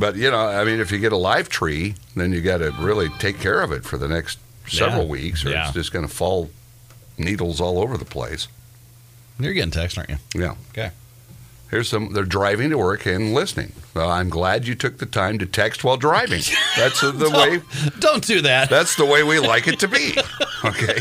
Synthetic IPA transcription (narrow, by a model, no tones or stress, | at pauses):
b̥ʌt̚jɨnoʊaɪmĩnɨfjɨɡɛɾəlaɪv̥tʰɹ̥iðɨ̃njɨɡɑɾɨɹɪlˠitʰeɪkʰːɛɹʌvɨtfə˞ðɨnɛkst̚ | sɛvɹl̩ˠwḭksə̰˞ɨ̰sd̥ʒ̥ʌsɡ̥ʌnəfɔlˠ | niɾl̩ˠzɔlˠoʊvə˞ðəpʰl̥ḛɪs | jə˞ɡɛɾɪ̃ŋtʰɛksta̰ʔæ̰jæ̰okʰe | hiɹz̥sʌ̃mðə˞dɹaɪvɪ̃ŋtəwɜ˞kɨ̃nlɪsnɪ̰̃ŋoãɪ̃mɡlæd͡ʒɨtʰʊk̚ðɨtʰãɪ̃mtɨtʰɛkst̚waɪlˠdɹaɪvɪ̰̃ŋðætsðəweɪd̥õʊ̃nd̥ɨðæt̚ðætsðəweɪwilaɪkɨtʰɨbioʊkʰeɪ